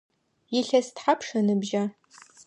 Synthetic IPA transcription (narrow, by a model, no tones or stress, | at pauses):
jɪɬɐstħapʰʂɐnɨbʒa